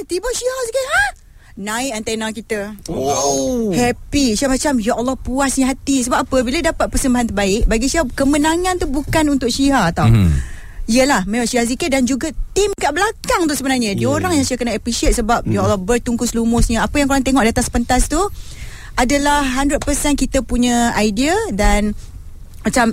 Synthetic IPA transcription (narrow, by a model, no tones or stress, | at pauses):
t̪ibɔʔʃiɦasikət̪̚ɦah | nãɪʔant̪anãkit̪ə | hɛpiʃiamat͡ʃamjaʔɔlːɔhpuasɲəɦat̪isəbap̚ːapəbiladapat̪̚pərsəmbaɦant̪̬ərbaɪʔ̚baɡiʃiɦakəmənaŋãnt̪ubukanunt̪ʊk̚ʃiɦat̪aw | iəlahmemaʃiɦasikədand͡ʒuɡat̪imkaʔbəlakaŋt̪usəbənarɲə̃dioɾaŋjaŋsiakənaʔaplisiət̪̚səbap̚jaʔɔlːɔhbərt̪uŋkʊslumʊsɲəapajaŋkoɾaŋt̪eŋɔʔ̚dat̪aspənt̪ast̪u | ʔadalahːandɾət̪̚pərsɛnkit̪apuɲə̃ajdiadan | mat͡ʃam